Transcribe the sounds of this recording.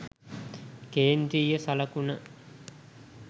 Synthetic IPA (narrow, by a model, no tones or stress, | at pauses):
keːnd̪ɾiːjəsaləkunə